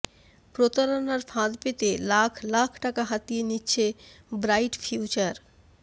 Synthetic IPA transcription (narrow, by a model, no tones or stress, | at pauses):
pɾot̪aɾonaɾfʰãd̪pet̪elakʰlakʰʈakaɦat̪ijenitːɕʰebɾajʈfʰjut͡ɕaɾ